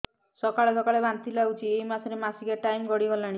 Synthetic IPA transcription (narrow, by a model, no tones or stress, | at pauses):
sɔkaɭesɔkaɭebant̪ilaut͡ʃʰiejmasɔɾemasikeʈajmɡɔɽiɦɔlaɽ̃i